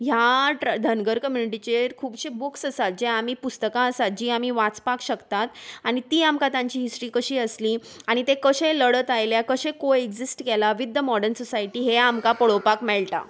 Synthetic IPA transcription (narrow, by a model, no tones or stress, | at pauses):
ɦjaʈəd̪ʱənɡəɾkəmjuniʈ̬it͡ɕeɾkʰuːbɕebuksəsat̪̚d͡ʑeamiːpust̪əkãəsat̪̚d͡ʑiːam̤iːʋat͡spakɕəkt̪at̪aɽ̃it̪iːamkãt̪jãɲt͡ɕiːɦisʈɾiːkəɕiːəsliː | aɽ̃it̪ekəɕẽləɽət̪ajljakəɕẽkoeɡd͡zisʈkɛlaʋid̪ːəmɔɽəɾnsɔsajʈiːɦeamkapəɭopakmɛɭʈ̪a̰